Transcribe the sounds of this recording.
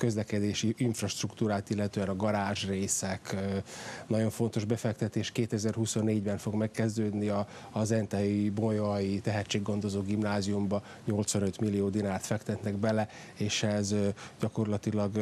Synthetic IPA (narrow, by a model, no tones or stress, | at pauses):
kø̞zlɛkɛd̪eːʃiʔiɱfrɒʃt̪rukt̪uːɾaːt̪ilːɛt̪øːɛnɒɡɒɾaːʒreːsɛk | nɒɟo̞ɱfo̞nt̪o̞ʒbɛfɛkt̪ɛt̪eːʃkeːt̪ɛzɛrɦuso̞nːeːɟbɛnfo̞ɡmɛkːɛzd̪øːd̪niɒː | zɛnt̪ɛibojɒjit̪ɛɦɛct͡ʃːeːɡɡːo̞nd̪o̞zoːɡimnaːzijumbɒ | ɲo̞lt̪sʋɒnøt̪milːijoːd̪inaːrt̪fɛkt̪ɛt̪nɛɡbɛlɛ | eːʃɛzɟɒko̞rlɒt̪ilɒɡ